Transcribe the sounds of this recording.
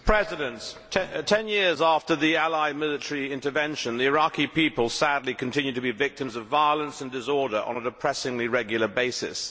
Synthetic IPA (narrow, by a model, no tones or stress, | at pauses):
pʰɹ̥ɛzɨɾɨ̃ntʰ | tʰɛ̃njɪɹzæftə˞ðiælaɪmɪlˠɨtəɹiɪ̃ntəvɛ̃nʃɨ̃nðiɨɹɑkipipəlˠsædˡlikʰɨ̃n̩tʰɪ̃njʉd̚tʰɨbivɪk̚tɨ̃mzʌvaɪəlˠə̃nsɨ̃n̩dɨsɔɹɾə˞ʔə̰̃nədɨpʰɹ̥ɛsɪ̃ŋliɹɛɡjl̩ˠə˞beɪsɪ̰s